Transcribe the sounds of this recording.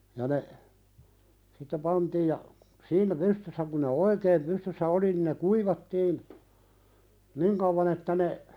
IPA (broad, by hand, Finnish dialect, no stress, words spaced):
jɑ ne sitːe pɑntiːj jɑ siːnæ pystysːæ kun̆ ne oikeːm pystysːæ oli nin ne kuiʋɑtːiːn niŋ kɑʋːɑn etːæ ne